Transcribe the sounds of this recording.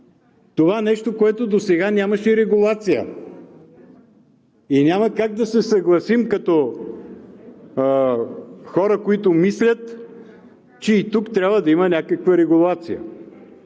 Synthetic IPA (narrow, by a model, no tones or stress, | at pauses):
t̪ovaɛnɛʃt̪okoɛt̪od̪osɛɡanʲaməʃɛɾɛɡulˠat̪sijə̰ | inʲaməkaɡ̚d̪ɐsɛsɐɡlˠɐsimkɐt̪ɔ | xɔɾəkoit̪omislʲət̪ | t͡ʃɛit̪ukt̪ɾʲabvəd̪ɐimənʲakəkvəɾɛɡulˠat̪sijə̰